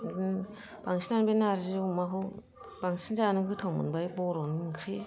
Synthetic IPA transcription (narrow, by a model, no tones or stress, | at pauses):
n | b̥aŋsinanbenaɾziumaɦu | baŋsinzanɯɡɯtʰɔŋmɯ̰nbajbɔɾɔnɯkʰɾe